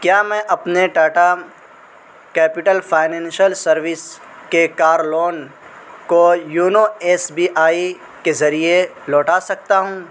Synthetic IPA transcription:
kjaːmɛ̃ːʔɐpneɖaːʈa | kɛːpɪʈəlfaːɪnɛ̃ːnʃəlsɐɾʋɪs | kekaːɾloːn | kojuːnoeːsbiːʔaːi | kezɐɾie | lɔːʈasɐk̚t̪aɦũː

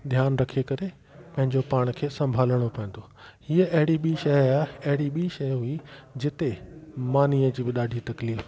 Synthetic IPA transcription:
d̪ʱjaːnɾɐkʰekɐɾe | pɐ̃ɦɪ̃ɲd͡ʑopaːɽ̃kʰeːsɐ̃mbʱaːləɽ̃opɐɦĩːn̆d̪o | hiːəɐɦɪɽiɓiʃɐɦɐɦɪɽiɓiʃɐɦɦuid͡ʑɪt̪emaːniːəd͡ʑiːbɪɗaːɖʱit̪ɐkliːf

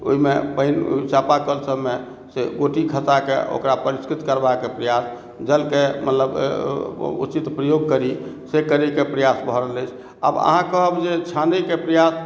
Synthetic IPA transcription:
o̰ɦimepəin̰t͡ʃapakəlsəbme | seɡoʈikʰət̪akḛʔo̰kɾapəɾiskɾit̪kəɾbakepɾəjas | d͡ʒəlkemʔə̰t̪ləb̰ | ṵt͡ʃit̪pɾəjoɡ̚kəɾi | sekəɾikepɾəjasbʱəɾələjt͡ʃʰ | a̰bə̰ɦãkəəbd͡ʒet͡ʃʰãndəkepɾəjas

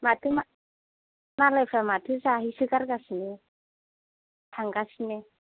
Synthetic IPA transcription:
mat̪ʰɯma | malapʰlamat̪ʰɯzaɦisɯɡaɾɡasni | tʰaŋɡasni

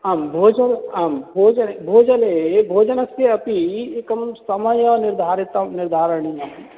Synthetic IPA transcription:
ɐmbʱoːd͡ʒɐnɐmbʱoːd͡ʒɐnebʱoːd͡ʒɐlebʱoːd͡ʒɐnɐseɐpiekɐmsɐmɐjɔːnɪɾd̪ʱaːɾit̪ɐnɪɾd̪ʱaːɾəɳijɐ

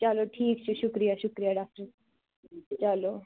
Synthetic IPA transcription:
t͡ʃɐloʈʰiːk̚t͡ʃʰuʃʊkɾijaʃʊkɾijaɖaːk̚ʈəɾ | t͡ʃɐlo

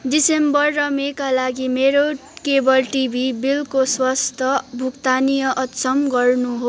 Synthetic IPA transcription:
ɖisembʌrːʌmekalaɡimeɾokebʌlʈibʱibilkoswʌst̪ʰʌbʱukt̪anijʌʔʌt̪sʌmɡʌrnuɦo

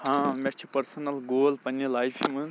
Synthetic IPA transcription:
hãmet͡ʃʰipɐɾsɐnɐlɡoːlpɐnːilajpʰimun

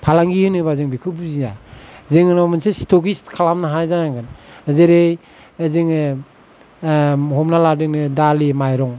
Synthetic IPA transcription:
pʰalaŋɡiɯnɯbazɯŋbikʰɯbuzinazɯŋnɔmɯnsestʰɔkistkʰalamnaɦanajzaŋaŋɡɯnzeɾej | zɯŋɯ | ɦɔmnaladɯŋnɯdalimajɾɔŋ

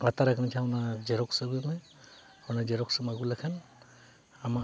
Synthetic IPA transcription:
ɡat̪aɾakʰanatʰaawnad͡ʒɛɾɔksaɡuma | awnad͡ʒɛɾɔksamaɡulakʰan | ama

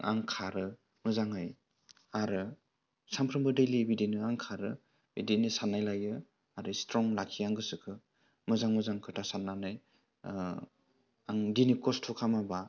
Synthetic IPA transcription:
ʔa̰ŋkʰaɾɯ | mɯzaŋɯj | aɾɯ | sampʰɾɯmbɯdelibidinɯaŋkʰaɾɯ | bidinisanːajlajɯ | aɾɯstɾɔŋlakʰijaŋɡɯsɯkʰɯ | mɯzaŋmɯzaŋkʰɯtʰasanːanaj | aŋdinikɔstʰɔkʰamaba

